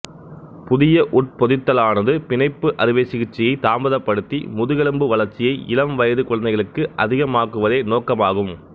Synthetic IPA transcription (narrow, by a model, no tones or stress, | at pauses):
pʊðɪjɐʔʊʈ̚pɔðɪt̪ːɐlaːnɐðɯpɪnɐɪpːɯʔɐɾɪʋeːsɪɣɪt͡ʃːɪjɐɪt̪aːmbɐðɐpːɐɽɯt̪ːḭmʊðɯɣɛɭɯmbɯʋɐɭɐɾt͡ʃːɪjɐɪʔɪ̰lɐmʋɐjɐðɯkɔɭɐnɐɪɣɐɭɯkːɯʔɐðɪɣɐmaːkɯʋɐðeːnoːkːɐmaːɣɯm